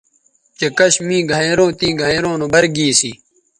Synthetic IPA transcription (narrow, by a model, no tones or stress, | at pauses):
t͡ɕekɐɕmĩːɡʱɐeɾõːt̪iːɡʱɐ̃eɾõːnobɐɾɡiːsi